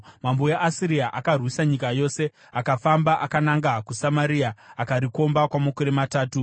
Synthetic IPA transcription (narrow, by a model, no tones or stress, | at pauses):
mambojaʔasiɾiaʔakarwisaɲikajo̞ːse̞ | akafambaʔakanaŋɡakusamaɾiaakaɾiko̞mbakwamakoɾemataːtu